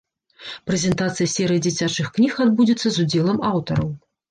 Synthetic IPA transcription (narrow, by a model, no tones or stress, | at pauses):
pɾɛzʲɛnt̪at̪sɨjɐsʲɛɾɨjd͡zʲit͡sʲat͡ʂɨxknʲixad̪̚bud͡zʲit̪sːɐzud͡zʲɛlˠɐmawt̪ɐɾɐw